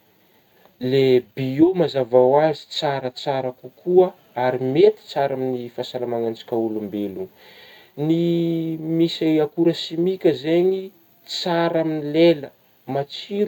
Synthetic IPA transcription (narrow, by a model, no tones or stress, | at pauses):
lebiomazavawazi̥t͡saɾət͡saɾakukuə | aɾimet̪i̥t͡saɾaminifasalamaŋand͡ʒḁkʲaulumbelu | ni | misajakuɾəsimikʲəzeɲi | t͡saɾaminilelə | mat͡siɾ